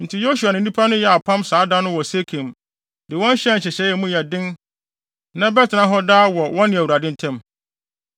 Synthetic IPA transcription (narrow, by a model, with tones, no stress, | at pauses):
n̩˨tʰɪ˨jo˦su˨a˨nɪ̃˨˦ĩ˦pʰa˦nʊ̃˦jɛ˦a˨pʰã˦msaː˨˦dã˦nʊ̃˦wɔ˨se˦kʰẽ˨m | dɪ˨wɔ̃˦n˦ɕɛ˦n̩˨ɕɛ˨ɕɛ˨˦jɛ˨mũ˦jɛ˨dɪ̃˦n | nã˦bɛ˦tʰɪ˨nã˦ɦɔ˦daː˦wɔ˨wɔ̃˦nɪ̃˨æ˨wɾa˨dɪ̃˦n˦tʰɛ̃˦m